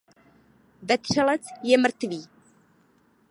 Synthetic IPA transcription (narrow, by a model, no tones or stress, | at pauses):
vɛt̪r̝̥ɛlɛt͡sjɛmr̩t̪viː